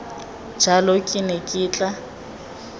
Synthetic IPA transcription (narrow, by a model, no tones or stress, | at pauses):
d͡ʒalokʼɪnekʼɪːt͡ɬʼa